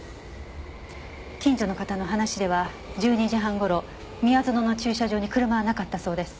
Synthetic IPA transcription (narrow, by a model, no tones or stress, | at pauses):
kʲĩɲ̟d͡ʑo̞no̞kat̪ano̞ɦanaɕid̪e̞βa | d͡ʑɨːɲ̟iʑiɦãŋɡo̞ɾo̞ | mʲiazɨno̞no̞t͡ɕɨːɕaʑo̞ːɲ̟ikɯɾɯ̟maɡanakat̪ːaso̞ːd̪e̞sɨ̥